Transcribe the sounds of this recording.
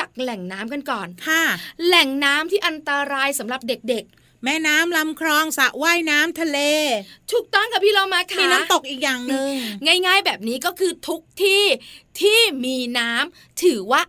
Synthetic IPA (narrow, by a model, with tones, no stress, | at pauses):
t͡ɕa˨˩k̚lɛ˨˩ŋnaː˦˥mka˧nkɔː˨˩nkʰa˥˩lɛ˨˩ŋnaː˦˥mt̪ʰiː˥˩ʔa˧nt̪a˧ɾaː˧jsa˩˦mɾa˨˩p̚de˨˩k̚de˨˩k̚ | mɛː˧˥˩naː˦˥mla˧mkʰɾɔː˧ŋsa˨˦ʔwaː˥˩jnaː˦˥mt̪ʰa˧leː˧t̪ʰu˨˦˩k̚t̪ɔː˥˩nkʰa˦˥˩pʰiː˥˩ɾa˧wmaː˧kʰamiː˧˦naː˦˥t̪o˨˩k̚ʔiː˨˩k̚jaː˨˩ŋnɯ˧ŋŋaː˥˩jŋaː˥˩jbɛː˨˩p̚niː˦˥kɔː˥˩kʰɯː˧t̪ʰu˦˥k̚t̪ʰiː˥˩t̪ʰiː˥˩miː˧naː˦˥m | t̪ʰɯː˩˦waː˥˩